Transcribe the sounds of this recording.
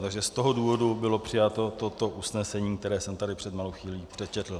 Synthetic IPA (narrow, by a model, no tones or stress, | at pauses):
t̪aɡʒɛst̪o̞ɦoduːvo̞dubɪlo̞pr̥ɪjat̪o̞t̪ot̪o̞ʔusnɛsɛɲiːk̚t̪ɛɾɛːsɛmt̪adɪpr̥ɛd̪malowxʋiːliːpr̥ɛt͡ʃɛt̪l̩